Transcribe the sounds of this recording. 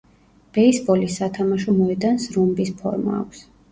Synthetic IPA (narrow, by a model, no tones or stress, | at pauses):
b̥ɛisbɔlisːat̪ʰamaʃɔmɔɛd̪ansɾumbispʰɔ̰ɾma̰ːkʷʰs